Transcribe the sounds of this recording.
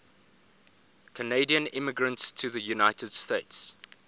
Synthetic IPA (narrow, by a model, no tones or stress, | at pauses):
kʰəneɪdiə̃nɪməɡɹə̃ntstʰəðəjunaɪtəd̥steɪts